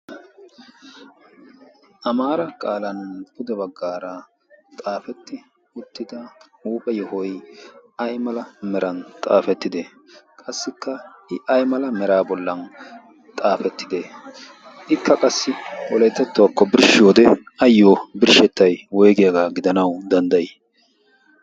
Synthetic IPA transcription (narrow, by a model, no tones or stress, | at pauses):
ʔɐmaːɾɐkʼaːlɐnbʊd̪ɛbɐɡːaːɾɐ | t̪ʼaːfɛt̪ːɪ | ʊt̪ːɪd̪ɐuːpʼɛjɔhɔjɐjmɐlɐmɛɾɐnt̪ʼa̰ːfɛt̪ːɪd̪eː | kʼɐsːɪkʰːɐʔɪʔɐjmɐlɐmɛɾaːbɔlːɐn | t̪ʼaːfɛt̪ːɪd̪e | ʔɪkːɐkʼɐsːɪwɔlɛjt̪ːɛt̪ːʊwakːɔbɪɾʃɪjoːd̪ɛɐjːobɪɾʃɛt̪ːɐjwɔjɡɪjɐɡaːɡɪd̪ɐnɐwd̪ɐnd̪ɐjɪ